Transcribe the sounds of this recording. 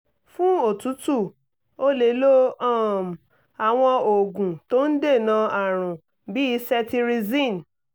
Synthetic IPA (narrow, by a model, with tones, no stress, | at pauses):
fũ˦o˦˨tu˨˦tu˦˨ | o˦le˨˦lo˦a˦˨m˨ | a˨w̃ɔ̃˧o˨ɡũ˨to˦n̩˦de˦˨nã˨˧a˨ɾ̃ũ˨ | bi˨˦i˧˦sɛ˦ti˧ɾi˧zĩ˦˨n˨